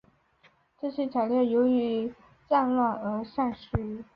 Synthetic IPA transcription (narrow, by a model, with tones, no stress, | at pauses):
ʈ͡ʂɤ˥˩ɕɛ˧˥t͡sʰa˨˩ɪljɛ˥˩jo˧˥ʊy˧˥ | t͡sa˥˧nlwa˥˩nɤ˧˥ʂa˥˧nʂɻ̩˥˩